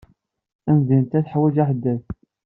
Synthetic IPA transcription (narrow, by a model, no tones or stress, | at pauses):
ænzint̪æθħwːæd͡ʒæħəd̪ːæθ